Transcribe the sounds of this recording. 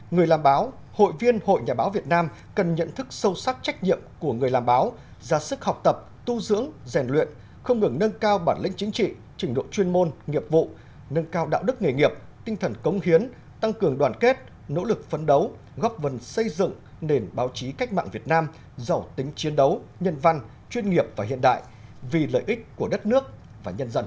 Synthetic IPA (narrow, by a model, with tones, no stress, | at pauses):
ŋɨ˨˩əjlaː˨˩mɓaː˨˦w | ho̰˧˨jvi˧ənho̰˧˨jɲaː˨˩ɓaː˨˦wvi˨˩ət̚naː˧m | kə˨˩nɲə̰˧˨nt̪ʰɨ˦˥k̚sə˧wsaː˦˥t̚t͡ɕa˦˥jk̟̚ɲḭ˧˨əmku˧˩əŋɨ˨˩əjlaː˨˩mɓaː˨˦w | zaː˨˦sɨ˦˥k̚ha˨˩wk͡p̚t̪ə˨˩p̚t̪u˧zɨ̰˧˥əŋzɛ˨˩nlwḭ˧˨n | xə˧wŋ͡mŋɨ˧˩əŋnə˧nkaː˧wɓaː˧˩nlḭ̈˧˥ŋ̟t͡ɕï˨˦ŋ̟t͡ɕḭ˧˨ | t͡ɕi˧˩ŋ̟ɗo̰˧˨t͡ɕwi˧ənmo˧nŋi˨˩əp̚vṵ˧˨ | nə˧nkaː˧wɗa̰ː˧˨wɗɨ˦˥k̚ŋe˨˩jŋi˨˩əp̚ | t̪ï˧ŋ̟t̪ʰə˨˩nkə˨˦wŋ͡mhi˨˦ən | t̪a˧ŋkɨ˨˩əŋɗwaː˨˩nke˦˥t̚ | no̰˧˥lɨ˨˩k̚fə˨˦nɗə˨˦w | ɣɔ˦˥p̚və˨˩nsə˧jzɨ̰˧˨ŋ | ne˨˩nɓaː˨˦wt͡ɕi˨˦ka˦˥jk̚ma̰ː˧˨ŋvi˨˩ət̚naː˧m | zə˨˩wt̪ï˨˦ŋ̟t͡ɕi˨˦ənɗə˨˦wɲə˧nva˧ŋ | t͡ɕwi˧ənŋi˨˩əp̚vaː˨˩ɦḭ˧˨ənɗa̰ː˧˨j | vi˨˩lə̰ː˧˨jʔï˦˥k̟̚ku˧˩əɗə˦˥t̚nɨ˦˥ək̚ | vaː˨˩ɲə˧nzə˧˩n